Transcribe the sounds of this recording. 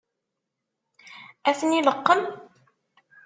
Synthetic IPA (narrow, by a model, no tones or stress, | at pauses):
æθəniləqːəm